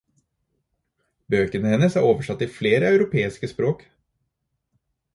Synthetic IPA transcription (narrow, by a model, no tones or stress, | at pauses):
bøːkənəhɛnəshɑɾoːʋəʂɑt̪ːiːfleːɾəɑʉɾʊpʰeːɪskəspɾoːk